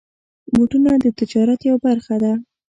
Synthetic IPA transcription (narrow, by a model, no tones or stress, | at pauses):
boʈunad̪ət̪ɪd͡ʒɑɾat̪jawbaɾxad̪a